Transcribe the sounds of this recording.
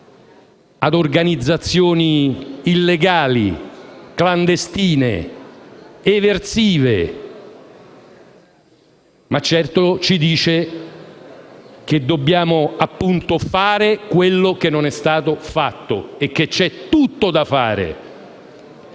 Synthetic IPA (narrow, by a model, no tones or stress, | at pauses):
ad̪orɡanid̪zːat̪sːjoːniːlːeɡaːlikland̪est̪iːnḛ | evert̪siːvḛ | mat͡ʃːɛrt̪ot͡ʃid̪iːt͡ʃe | k̟ed̪ːobːjaːmoapːunt̪ofaːɾekwelːok̟enːonɛst̪aːt̪ofat̪ːoekːet͡ʃːɛt̪ːut̪ːod̪afaːɾḛ